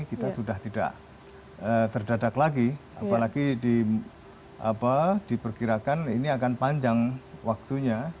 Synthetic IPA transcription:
kit̪asudaht̪ida̰ʔ | ət̪ərdadaklaɡia̰palaɡidi | apad̥ipərkiɾakaniniakanpaɲd͡ʒaŋwak̚t̪uɲa

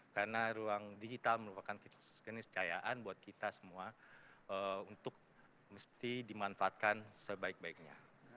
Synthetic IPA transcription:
kaɾənaɾuaŋdid͡ʒit̪alməɾupakankkənɪst͡ʃaja̰ʔanbuat̪̚kit̪asə̥muaəunt̪ʊk̚ | məst̪idimanfaat̪̚kansəbaɪk̚baɪk̚ɲa̰

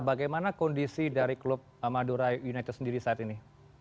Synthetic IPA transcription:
baɡajmanakɔndisidaɾiklʊp̚amaduɾajunajt̪ɛt̪səndiɾisaat̪ini

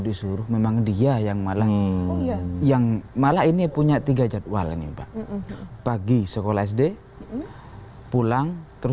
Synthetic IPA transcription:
disuɾʊhmemaŋdiajaŋmalah | jaŋmalahinipuɲat̪iɡad͡ʒat̪̚wa̰l̰nipaʔpaɡisəkolaɛs̬de | pulaŋt̪əɾ

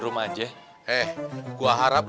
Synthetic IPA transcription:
ɾumad͡ʒɛ | ʔɛhkuaɦaɾap̚

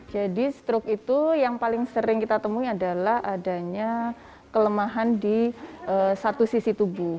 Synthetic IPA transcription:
d͡ʒadist̪ɾʊkit̪ujaŋpalɪŋsəɾɪŋkit̪at̪əmuiadalahadaɲa | kələmaɦandiʔəsat̪usisit̪ubu

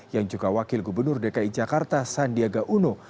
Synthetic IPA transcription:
jaŋd͡ʒuɡawakɪlɡubərnʊrdekaid͡ʒakart̪asandiaɡaʔuno

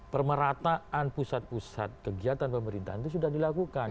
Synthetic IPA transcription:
pərməɾat̪aanpusat̪̚pusa̰t̪̚kəɡiat̪anpəməɾint̪a̰ɦant̪us̬udahdilakukan

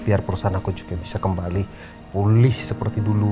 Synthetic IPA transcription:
biarpəɾusaɦanakud͡ʒuɡabisakəmbali | pulɪhsəpərt̪idulu

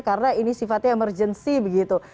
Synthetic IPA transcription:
karənainisifat̪̚ɲaemərd͡ʒənsibəɡit̪u

